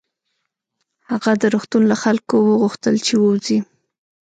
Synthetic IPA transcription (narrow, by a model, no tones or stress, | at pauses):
haɣad̪əɾoxt̪unlaxalkowəɣuxt̪əlt͡ʃewəwzi